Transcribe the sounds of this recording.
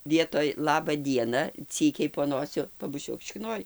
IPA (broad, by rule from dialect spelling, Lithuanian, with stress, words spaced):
ˈʋʲiɛtoːj ˈlˠɑːbɐ ˈdʲiɛnɐ ˈt͡sʲiːkʲɛɪ poː ˈnoːsʲʊ pɐbʊˈt͡ʃʲuɔk ʃʲɪkˈnoːj